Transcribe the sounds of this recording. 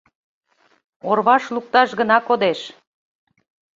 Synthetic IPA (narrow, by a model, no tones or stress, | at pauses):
orβɑʃluk̚t̪ɑʃɣənɑkod̪eʃ